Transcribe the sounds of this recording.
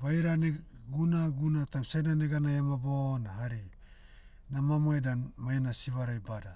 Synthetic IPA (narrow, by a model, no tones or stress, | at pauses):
βajɾaneɡunaɡunatamsananeɡanajamabonaɦaɾi | namamoedanmajnasiβaɾajbada